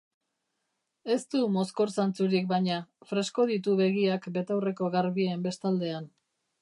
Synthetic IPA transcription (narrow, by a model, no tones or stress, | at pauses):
e̞st̪umo̞sko̞ɾsant͡suɾik̚bajɲafɾe̞sko̞ð̞it̪̬uβe̞ɣ̞iakbe̞t̪awre̞ko̞ɣaɾβiːmbe̞st̪ald̪e̞an